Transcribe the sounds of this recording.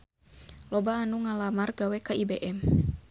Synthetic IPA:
lɔbaːnuŋalamarɡawɛkaibɛʔɛm

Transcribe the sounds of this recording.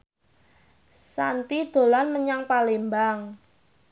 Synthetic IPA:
sant̪id̪̥o̤lanməɲaŋpalembaŋ

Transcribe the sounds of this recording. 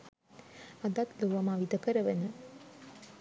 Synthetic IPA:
ad̪at̪ləʋamaʋid̪əkəɾəʋənə

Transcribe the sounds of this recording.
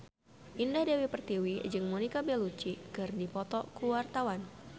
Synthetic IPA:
ʔindahdewipərt̪iwid͡ʒɨŋmɔnikabɛlut͡ʃikɨrdipɔt̪ɔkuwart̪awan

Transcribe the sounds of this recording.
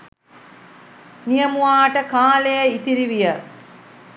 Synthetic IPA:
nijəmuaːʈəkaːlejəit̪iɾiʋijə

